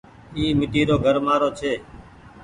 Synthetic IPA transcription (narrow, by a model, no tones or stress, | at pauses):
iːmɪʈiːɾoːɡʱəɾmaːɾoːt͡ʃʰeː